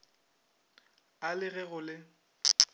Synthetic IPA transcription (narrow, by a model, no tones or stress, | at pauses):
alɪɣɛɣʊlɪ